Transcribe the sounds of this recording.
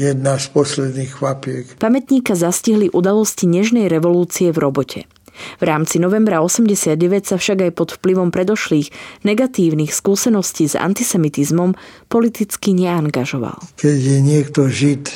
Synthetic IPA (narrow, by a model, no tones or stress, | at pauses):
jɛd̪naspɔslɛd̪niːxxʋapɪɛkpamɛt̪ɲiːkazasciɦliʔud̪alɔsciɲɛʒnɛjɾɛʋɔluːt͡siɛvɾɔbɔcʰɛ̰ | vɾaːmt͡sinɔʋɛmbɾaɔsɛmɟɛsɪad̪̚ɟɛʋɛcsafʃaɡajpɔt̪fpliʋɔmpɾɛd̪ɔʃliːɣnɛɡat̪iːʊnixskuːsɛnɔsciːza̰nt̪isɛmit̪izmɔmpɔlit̪it͡skiɲɛaŋɡaʒɔʋa̰lkɛɟjɛɲɪɛkt̪ɔʒit̪